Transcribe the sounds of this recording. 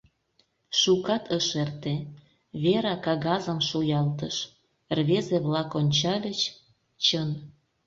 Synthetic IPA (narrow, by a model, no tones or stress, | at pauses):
ʃukɑt̪ʰəʃert̪e | βeɾɑkɑɣɑzəmʃujɑlt̪əʃ | rβezeβlɑkonʲt͡ɕɑlʲət͡ɕ | t͡ɕən